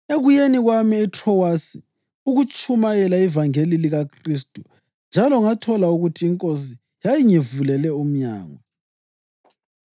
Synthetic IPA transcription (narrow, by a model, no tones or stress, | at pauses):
eɣujeniɣwamiːtʰrɔwasi | uɣut͡ʃʼʰumajɛlaivaŋeliliɣakʰristʼu | nd͡ʒʱalɔŋatʰɔlauɣutʰiːŋkʼos̬i | jajiŋivulɛlɛum̩ɲa̰ːŋɔ